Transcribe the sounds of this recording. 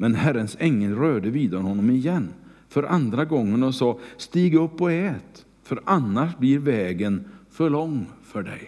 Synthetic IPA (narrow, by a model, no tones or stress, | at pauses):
mɛnhæɾːənsɛŋːəlɾøːd̪əviːd̪aɔnhɔnːɔmɪjɛnː | fœɾʔand̪ɾaɡɔŋːənɔsɑːst̪iːɡɵpːɔɛːt̪ | fœɾanːaʂbliɾvɛːɡənfœɭɔŋːfœɖɛ̰j